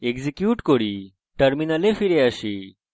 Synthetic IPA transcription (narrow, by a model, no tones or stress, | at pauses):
eɡzikjuːʈkoɽi | ʈɐɾminɐlefiɾeaɕi